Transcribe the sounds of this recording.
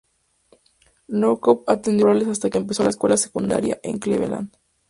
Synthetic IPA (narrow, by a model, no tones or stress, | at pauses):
nowkopat̪end̪joɾalesast̪akeːmpe̞so̞laeskwelase̥kund̪a̰ɾja̰ʔḛŋkleβḛla̰n